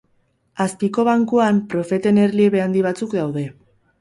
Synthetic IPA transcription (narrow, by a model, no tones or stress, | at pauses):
aspiko̞β̞aŋkuampɾo̞fe̞t̪e̞ne̞ɾlieβe̞and̪iβ̞at͡sukd̪awðe̞